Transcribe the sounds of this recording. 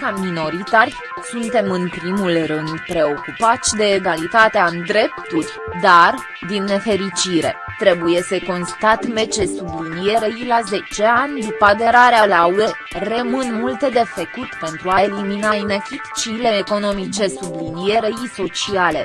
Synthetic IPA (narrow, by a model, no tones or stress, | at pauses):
kamino̞ɾit̪arʲ | sunt̪e̞mɨnpɾimulrɨnd̪pɾe̞o̞kupat̪sʲd̪e̞ːɡalit̪at̪eaɨnd̪ɾe̞pt̪urʲd̪ar | d̪inːe̞fe̞ɾit͡ʃiɾe̞̰ | t̪ɾe̞buje̞səko̞nst̪at̪me̞t͡ʃe̞sublinije̞ɾejilaze̞t͡ʃe̞anʲd̪upad̪eɾaɾealaue̞ | remɨnmult̪e̞d̪e̞fekut̪pe̞nt̪ɾuae̞liminajinekit̪t͡ʃile̞eko̞no̞mit͡ʃe̞sublinijeɾeiso̞t͡ʃiale̞̰